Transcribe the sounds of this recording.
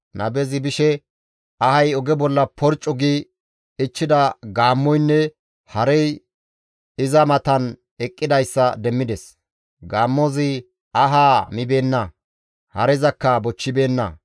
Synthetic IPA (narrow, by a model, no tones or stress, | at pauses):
nʔɐ̰bɛzɪbɪʃɛ | ɐhɐjɔɡɛbɔlːɐpʰɔɾt͡ʃʼːɔɡɪ | ɪt͡ʃːɪd̪ɐɡaːmːɔjnːɛ | hɐɾɛj | ɪzɐmɐt̪ɐn | ɛkʼːɪd̪ɐjsːɐd̪ɛmːɪd̪ɛs | ɡaːmːozɪ | ɐɦaːmɪbe̞ːnːɐ | hɐ̰ɾɛzɐkːɐbɔt͡ʃːɪbe̞ːnːɐ̰